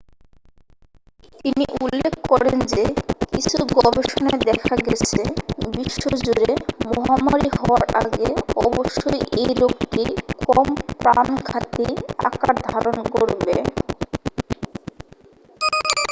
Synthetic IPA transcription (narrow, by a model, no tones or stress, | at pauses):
t̪iniʔulːekʰkɔɾend͡ʑekit͡ɕʰuɡɔbeʃoned̪ɛkʰaɡɛt͡ɕʰebɾiʃːod͡ʑuɾemɔɦamaɾihɔwaɾa̰ɡeɔboʃːojʔejlokʈikɔmpɾankʰat̪ia̰kaɾd̪ʱaɾonkoɾbḛ